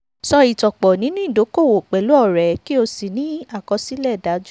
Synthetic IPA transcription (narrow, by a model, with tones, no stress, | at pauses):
sɔ˧i˨tɔ˨k͡pɔ˨nĩ˨˦nĩ˦˨do˨˦ko˦˨wo˨k͡pɛ˨lu˨˦ɔ˦˨ɾɛ˨ki˦o˧si˨nĩ˨˦a˦˨kɔ˧si˦lɛ˦˨da˨˦d͡ʒ